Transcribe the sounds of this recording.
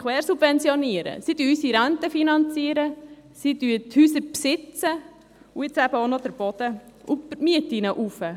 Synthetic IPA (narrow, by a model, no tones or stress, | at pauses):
kʋɛːɾsub̥vɛnt͡sjɔniəɾə̰sid̥yəysiɾæntəfinɑnt͡siəɾə | sid̥yəthyːsəɾpsɪt͡sə | uɪt͡sæb̥əonod̥̪əɾb̥ɔd̪̥əʔʊmiətinəʔufə